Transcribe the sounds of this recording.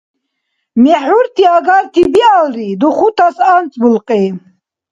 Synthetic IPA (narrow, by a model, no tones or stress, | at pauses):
mɛħuɾt̪ʰiaɡaɾt̪ʰibialɾid̪uχut̪ʰasant͡sʼbulqʼi